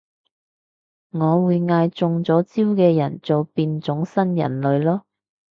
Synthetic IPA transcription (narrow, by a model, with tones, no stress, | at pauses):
ŋɔː˨˧wuː˨˧jŋaː˧jt͡sʊ˧ŋt͡sɔː˨˥t͡siː˥wkɛː˧jɐ˨˩nt͡so˨wpiː˧nt͡sʊ˨˥ŋsɐ˥njɐ̰˨˩nlɵ˨˧ɥlɔː˥